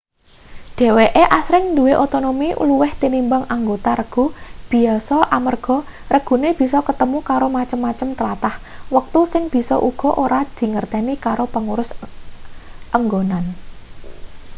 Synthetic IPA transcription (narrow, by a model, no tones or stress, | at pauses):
d̥ɛ̤weʔeʔasɾɪŋnd̪ṳweʔot̪onomiʔṵluwɪht̪inimbaŋaŋɡot̪aɾəɡ̥ṳb̥i̤ɔsɔʔamərɡ̥ɔ̤ | rəɡ̥ṳneb̥i̤sɔkət̪əmukaɾomat͡ʃəmːat͡ʃəmt̪əɾat̪ahwək̚t̪usɪŋb̥i̤sɔ̰ʔuɡ̥ɔ̤ʔoɾad̪̥i̤ŋərt̪ɛnikaɾopəŋuɾʊs | ʔəŋɡonan